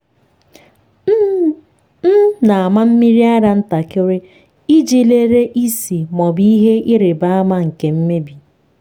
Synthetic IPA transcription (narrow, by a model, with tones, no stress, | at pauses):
n̩˦na˨a˨ma˦m̩˦mi˦ɾi˦a˦ɾa˦n̩˦ta˨kɪ˦ɾɪ˦ | i˦d͡ʒi˦le˦ɾe˦ʔi˦si˨mɔ˨bi˦i˦ɦe˦ʔi˦ɾɪ˨ba˦a˦ma˦ŋ̩˨ke˨m̩˦me˦bi˨